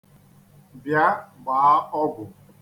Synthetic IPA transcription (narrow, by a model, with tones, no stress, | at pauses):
bja˦ɡ͡ba˨a˦ɔ˦ɡʷʊ˨